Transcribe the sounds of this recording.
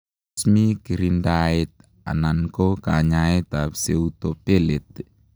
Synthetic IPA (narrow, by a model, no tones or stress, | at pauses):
smikiɾindait̪̚ | a̰naŋkokaɲaet̪apseut̪opelɛt̪̚